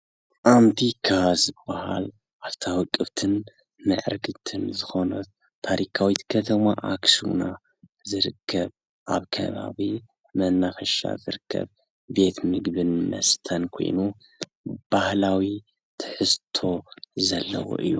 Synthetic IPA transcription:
ʔamt̪ʰikʰazɨbaha̰l | ʔaβt̪ʰawɨkʼːɨβt̪ʰɨn | mɨʕɾɡɨt̪ʰɨnzɨxo̞nɐ | t̪ʰːaɾikʰawit̪kʰɐt̪ʰɐma̰ʔaksṵna | zɨɾɨkʰːɐβ | ʔaβkʰɐ̰βa̰βi | mɐnːafɐʃa̰zɨɾɨkʰːɐ̰β | be̞t̪mɨɡbɨnmɐ̰st̪ʰɐnkʰo̞̰jnu | b̥ahlawi | t̪ʰɨ̥ħɨst̪ʰo̞zɐlːɐ̰wo̰ʔɨjːu

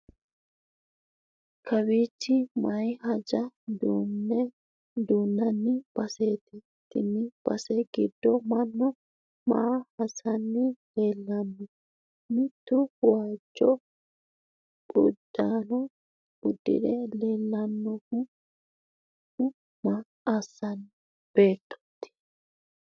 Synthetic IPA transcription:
kʰɐbit͡ʃːɪmɐjhɐd͡ʒɐd̪un | d̪uːnːɐnːɪb̥ɐseːt̪ɛ | t̪ːɪnːɪb̥ɐ̰sɛɡɪd̪ːɔmɐnːɔ | maːhɐsɐnːɪleːlːɐnːɔ | mɪt̪ːʊwaːd͡ʒːɔ | ɡʊ̰d̪ːaːnɔ | b̥ʊd̪ːɪ̰d̪ɛleːlːɐnːɔkʊ | ʊ | ma | ɐsːɐn | b̥e̞ːt̪ːɔ̥t̪ːɪ̥

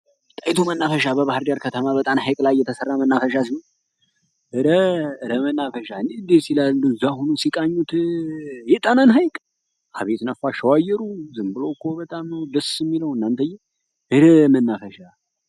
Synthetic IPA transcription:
t̪ʼajt̪ʰumənːafəʃabəβahɾdaɾkʰət̪ʰəmaβət̪ʼanhajkʼlajːɛt̪ʰəsərːamənːafəʃas̬ihon | ʔɨɾəɨɾəmənːafəʃaɨnːend̪esilalːuɨzːaɦonusikʼaɲːut̪ | jɛt̪ʼananɦajkʼ | ʔa̰βet̪nəfaʃəwajːɛɾuzɨmbɨlo̞kʰːobət̪ʼamnəwd̪əsɨmːiləwɨnːant̪ʰəjːɛ | ɨɾəmənːafəʃa

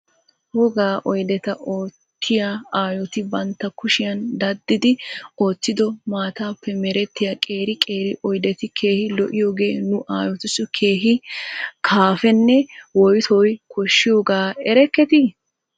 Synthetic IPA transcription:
hɔɡaːʔɔjd̪ɛt̪ɐʔoːt̪ːɪjaaːjɔt̪ɪbɐnt̪ːɐkʊʃɪjɐnd̪ɐd̪ːɪd̪ɪo̞ːtːɪd̪ɔmaːt̪aːpːɛmɛɾɛt̪ːɪjakʼe̞ːɾɪkʼe̞ːɾɪʔɔjd̪ɛt̪ɪkʰeːhɪlɔʔɪjoːɡe̞ːnʊʔaːjɔt̪ɪsʊkʰe̞ːɦɪkʰaːfɛnːɛwɔjt̪ʰɔjkɔʃːɪjoːɡaːɛɾɛkːɛt̪ɪ

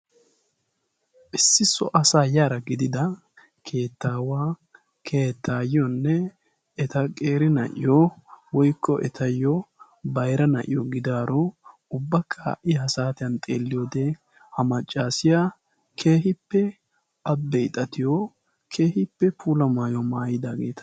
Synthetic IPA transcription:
ʔɪsːɪsɔ̰ʔɐsaːjaːɾɐɡɪd̪ɪd̪ɐ | kʰeːt̪ːaːwaː | kʰe̞ːt̪ʰːaːjɔnːɛː | t̪ɐkʼe̞ːɾɪnɐ̰ʔɪ̰jowɔjkːɔʔɛ̰t̪ʰɐjːɔ | bɐjɾɐnɐ̰ʔɪjɔɡɪd̪aːɾɔ | ʊbːɐkʰːɐ̰ʔɪjsaːt̪ɪjɐnt̪ʼḛːlːɪjoːd̪ɛ | hɐmɐt͡ʃʼːaːsɪja | kʰe̞ːhɪpːɛ | ɐbːɛɪt̪ʼɐt̪ɪjɔ | kʰe̞ːhɪpːɛpʰuːlɐmaːjɔmaːjɪd̪aːɡe̞ːt̪ʰɐ̥

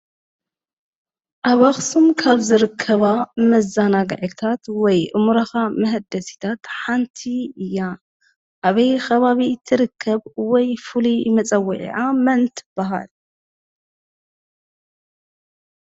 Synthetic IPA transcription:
ʔaβaxsumkʰaβzɨɾɨkʰːɐβamɐzːanaɡ̰ʕit̪ʰat̪wɔjʔɨmuɾɐxamɐɦd̪ɐsi̥t̪ʰat̪ħant̪ʰiɨjːa | ʔaβɐjxɐβaβit̪ʰɨɾɨkʰːɐβwɔjfulimɐt͡sʼɐwːiʕḭʕamɐnt̪ʰɨ̥b̥aɦa̰l

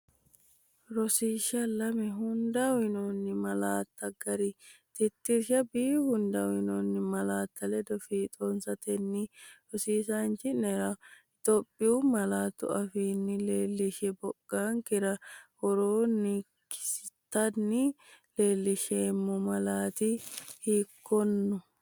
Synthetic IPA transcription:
ɾɔsiːʃɐlɐmɛɦʊnd̪ɐwɪnonːɪmɐlaːt̪ːɐɡɐɾɪt̪ɪt̪ːɪɾʃɐbiːhʊnd̪ɐwɪnɔnːɪmɐlaːt̪ʰːɐlɛd̪ɔfiːt̪ʼonsɐt̪ɛnːɪɾɔsiːsant͡ʃɪnɛɾɐ | ɪt̪oːpʼːɪʊmɐlaːt̪ːʊ̰ɐfiːnːɪleːlːɪʃɛbɔɡ̥ːaːŋkɪɾɐhɔɾoːnːɪ | kɪ̥sɪt̪ːɐnːɪleːlːɪʃeːmːɔmɐlaːt̪ɪhiːkːɔnːɔ

